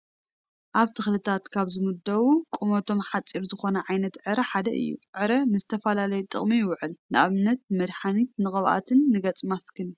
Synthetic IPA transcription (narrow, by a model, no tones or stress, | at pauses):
ʔaβt̪ʰɨxlɨt̪ʰat̪kʰaβzɨmud̪ɐwukʼumot̪ʰo̞mħat͡sʼiɾzɨxo̞nɐʕajnɐt̪ʕɨɾɐħad̪ɐ̰ʔɨ̰jːṵʕɨɾɐnɨzɨt̪ʰɐfɐlalɐjut̪ʼɨ̰χʼmijɪwʕɨlnɨʔaβɨnːɐt̪mɐd̪ħanit̪nɨχʼɐβʔa̰t̪ʰɨnːɨɡɐt͡sʼmaskʰɨnu